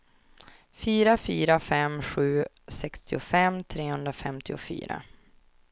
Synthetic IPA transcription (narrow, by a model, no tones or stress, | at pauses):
fyːɾafyːɾafɛmɧʉ̟ː | sɛkst̪ɪʊfɛmːt̪ʰɾeːhɵnd̪ɾafɛmt̪ʰɪʊfy̰ːɾa̰